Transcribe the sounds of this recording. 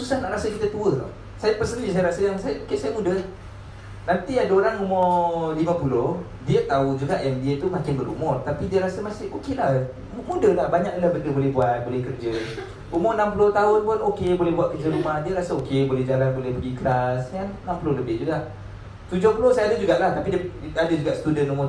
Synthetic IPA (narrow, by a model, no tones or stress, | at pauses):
susahnaʔɾasəkit̪ət̪uət | sajapərsənisajaɾasəjaŋsajaokesajamudə | nant̪iadəoɾaŋumɔlimapuloh | diət̪aud͡ʒuɡaʔjaŋdiət̪umakɪnbəɾṵmʊrt̪apidiəɾasəmasɪokɪlah | mudəlahbaɲak̚dəlahbəndəbolɛhbuat̪̚bolɛhkərd͡ʒə | umʊnampuloht̪aʊnpʊnokebolɛɦbuat̪̚kərd͡ʒəɾumahdiəɾasəokebolɛhd͡ʒalanbolɛhpəɡikəlasjaŋnampulohləbɪʔ̚d͡ʒuɡaʔ | t̪ud͡ʒʊhpulohsajaadəd͡ʒuɡaʔlaht̪apidəadəd͡ʒuɡaʔsə̥t̪udənumʊ